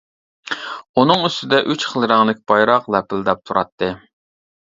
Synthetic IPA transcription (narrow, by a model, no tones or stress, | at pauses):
unɨŋyst̪ɪd̪ɛʔyt͡ʃχʰəlˠɾɑŋlˠɪkʲbɑjɾɑqlˠɛpʰɪlˠd̪ɑp̚t̪ʰuɾɑt̪ʰːɨ